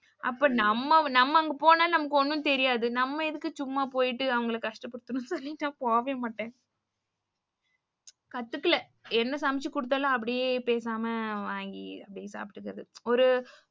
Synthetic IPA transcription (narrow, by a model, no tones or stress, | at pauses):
ʔɐpːoːnɐmːɐnɐmːɐɐŋɡɐpoːnaːlnɐmɐkːɔnːɯnt̪ɛɾɪjaːðɯnɐmːɐɪðɯkːɯt͡ʃʊmːapoːjɪʈːɯɐʋɐŋɡɐɭkːkɐʂʈɐpːɐɽɯt̪ːɯɳũsɔlːinːaːpoːʋeːmaːʈːẽː | kɐt̪ːɯkːɯlɐ | ɛnːɐsɐmɪt͡ʃːikʊɽɯt̪̬ːaːlãɐp̬ːɐɽɪjeːpeːs̬aːmɐʋaːŋɡiɐpːɐɽɪjesa̰ːpɪʈːɯkːɐɾɐðɯɔɾɯ